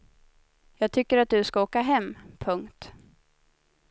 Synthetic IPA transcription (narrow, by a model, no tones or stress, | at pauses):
jɑːɡ̚t̪ʰʏkːəɾat̪̚d̪ɵskaoːkaɦɛmːpʰɵŋkt̪